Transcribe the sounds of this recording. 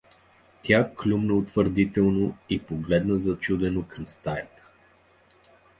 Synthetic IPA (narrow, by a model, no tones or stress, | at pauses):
t̪ʲjaklʲumnəot̪vəɾd̪it̪ɛlˠnoipoɡlɛd̪nəzɐt͡ʃud̪ɛnokʰəmst̪ajət̪ə̥